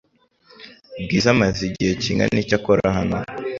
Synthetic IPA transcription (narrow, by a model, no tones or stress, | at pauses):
b̚ɡiːzamaziɟiheciŋɡa̰nicakoɾahana